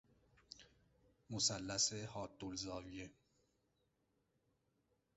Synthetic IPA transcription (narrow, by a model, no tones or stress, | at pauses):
mosælːæsehɒːd̪ːolzɒːvije